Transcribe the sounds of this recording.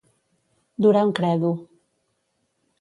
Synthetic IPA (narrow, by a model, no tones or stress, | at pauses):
d̪uɾaŋkɾɛðu